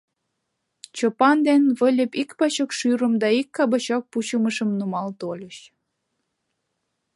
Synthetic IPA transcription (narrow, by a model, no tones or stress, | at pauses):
t͡ɕopɑnd̪enβəlʲə̆pikpɑt͡ɕokʃyɾə̆md̪ɑikːɑbɑt͡ɕok̚put͡ɕuməʃə̆mnumɑlt̪olʲəɕ